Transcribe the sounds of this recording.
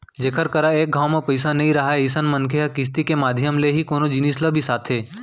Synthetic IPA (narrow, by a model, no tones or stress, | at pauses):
d͡ʒeːkʰəɾkɐɾaeːk̚ɡʱaːwmepɐɪsanɐɦĩɾɐɦaisənmɐnkʰeakɪs̬t̪ikemaːd̪ʱjəmleɦikoːnod͡ʒɪniːsləbʱisaːt̪ʰɦeː